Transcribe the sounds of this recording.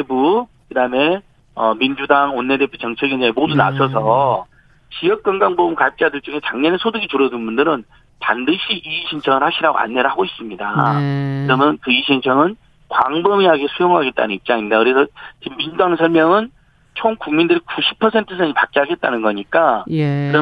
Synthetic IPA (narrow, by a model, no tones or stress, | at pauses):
tebukɯdaɯme̞ | ʌmind͡ʑudaŋonːe̞de̞pʰut͡ɕʌŋt͡ɕʰeɡind͡ʑʌemoduna̰sʰʌs̬ʰʌ | t͡ɕijʌk̚k͈ʌŋɡaŋbobɯmkap̚t͡ɕ͈adɯɭt͡ɕ͈uŋe̞t͡ɕaŋɲʌnesʰodɯɡit͡ɕuɾʌdunbundɯɾɯn | pandɯɕʰiʔiːɕʰint͡ɕʰʌŋɯɭhaɕʰiɾaɡo̰a̰nːe̞ɾɯɦaɡois͈ɯmɲida̰kɯɾʌmjʌnkɯiɕʰint͡ɕʰʌŋɯn | kwaŋbɯmiaɡesʰujoŋɦaɡe̞t̚t͈a̰nɯnip̚t͡ɕ͈aŋindakɯɾe̞sʰʌt͡ɕimːinudaŋsʰʌɭmjʌŋɯn | t͡ɕʰoŋkuŋmindɯɾikuɕʰi̥pʰʌsʰe̞ntʰɯsʰʌŋipak͈̚iɦaɡe̞t̚t͈anɯnɡʌɲik͈akɯɾʌ